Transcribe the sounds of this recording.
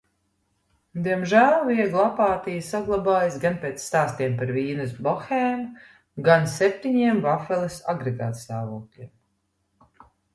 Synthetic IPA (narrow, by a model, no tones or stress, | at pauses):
d̪iɛmʒæːlˠiɛɡlˠapaːt̪ijasaɡlˠabaːjasɡanpeːt̪sːt̪aːst̪iɛmpaɾviːnɨsbɔxɛːm | ɡansɛp̚t̪ʲiɲiɛmvafɛlˠisaɡɾeɡa̰ːt̪st̪aːvuːklʲiɛm